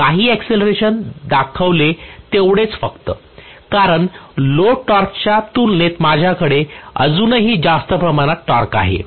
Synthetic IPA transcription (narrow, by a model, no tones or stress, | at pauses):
kaɦiːɛkseləɾeɕənd̪akʰəʋlet̪eʋɽet͡sfəkt̪ə | kaɾəɳloʈɔɾkt͡ɕjat̪ulnet̪mad͡ʑʱjakəɽeə̰d͡zuːnəɦiːd͡zast̪əpɾəmaɽ̃at̪ʈɔɾka̰ɦḛ